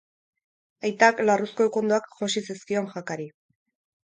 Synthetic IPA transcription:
ajt̪aklarusko̞ekond̪oakʝosisiskio̞ŋʝakaɾi

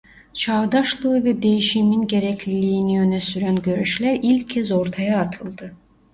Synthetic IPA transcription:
t͡ʃʰavd̪aʃlˠɯɯvɛd̪e̞jiʃiminɟe̞ɾɛcʰlʲilʲiːnijø̞nɛsyɾænɟø̞ɾyʃlʲæɾilʲcʰːɛzo̞ɾt̪ʰajaːt̪ʰɯlˠd̪ɯ

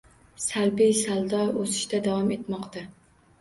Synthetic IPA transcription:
salbɪjsalˠd̪ɒɾosɪ̥ʃt̪ad̪awɒmet̪mɒqt̪ʰa

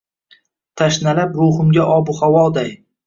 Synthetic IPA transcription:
t̪ʰaʃnalapɾohʊmɡʲaʔɒbʊhawɒd̪aj

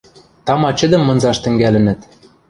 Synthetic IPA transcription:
t̪ɑmɑt͡ɕə̆d̪ə̆mːɤ̆nzɑʃt̪ɘ̆ŋɡælɘ̆nɘ̆t̪

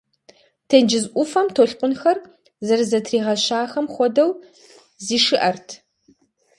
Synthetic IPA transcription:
tʰend͡ʒɪzʔʷʊfɐmtʰoːɬqʷʊnxɐr | zɐrzɐtʰriːʁɐɕaːxɐmχʷɔdɐw | ziːʂɨʔɐrtʰ

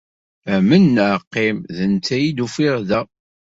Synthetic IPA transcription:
æmənːʕqːemðənt͡s̪ːæjid̪ufiɾðæ

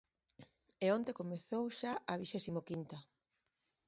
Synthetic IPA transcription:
eont̪ekomeθowʃaɐβiʃɛsimokint̪ɐ

